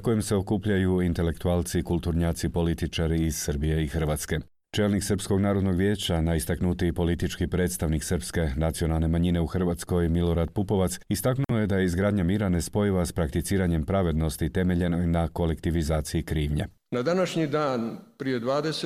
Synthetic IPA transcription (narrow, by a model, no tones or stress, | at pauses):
ako̞jemse̞o̞kuːpʎajuint̪e̞lekt̪uaːlˠt̪sikulˠt̪uɾɲaːt̪sipo̞lit̪it͡ʃaɾiːz̥sərbije̞ixər̩ʋaːt̪ske̞ | t͡ʃe̞ːlniksərɾpsko̞ɡnaːɾo̞d̪no̞ɡʋʲje̞ːt͡ɕanaist̪aknut̪ipo̞lit̪it͡ʃkipɾet̪st̪aʋniksərɾpske̞nat̪sio̞nalˠne̞maɲine̞uxr̩ʋaːt̪sko̞jmilo̞ɾad̪̚pupo̞ʋat̪sist̪aknuoje̞d̪aje̞izɡɾaːd̪ɲamiːɾane̞spo̞jiʋaspɾakt̪it̪siːɾaɲe̞mpɾaʋe̞d̪no̞st̪it̪e̞me̞ʎe̞no̞jnako̞le̞kt̪iʋizaːt̪sijikɾiːʋɲḛ | nad̪anaʃɲid̪aːnpɾijed̪ʋaːd̪ese